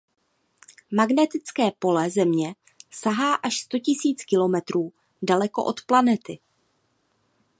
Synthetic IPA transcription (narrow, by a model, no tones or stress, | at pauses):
maɡnɛt̪ɪt͡skɛːpo̞lɛzɛmɲɛ | saɦaːʔaʃst̪o̞cɪsiːt͡skɪlo̞mɛt̪ɾuː | dalɛko̞̰ʔo̞t̪planɛt̪ɪ